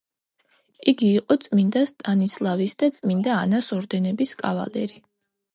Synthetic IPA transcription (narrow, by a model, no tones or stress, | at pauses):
iɡiːqʼɔt̪sʼmind̪ast̪ʼanislˠavisd̪at̪sʼmind̪aːnasɔɾd̪ɛnɛbiskʼava̰lɛ̰ɾi